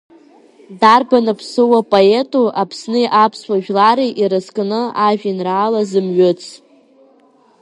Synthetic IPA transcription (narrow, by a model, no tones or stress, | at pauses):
darbanɨpʰsɨwapʼoetʼuʔapʰsnɨjʔapʰsʷaʒᶣlaɾiʔiɾɨskʼnɨaʒᶣinraːlazɨmɥʏt͡sʰ